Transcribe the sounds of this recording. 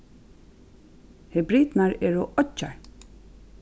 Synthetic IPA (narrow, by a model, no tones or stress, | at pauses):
hɛbɾiːt̪naɹɛːɹoʔɔt͡ʃːaɹ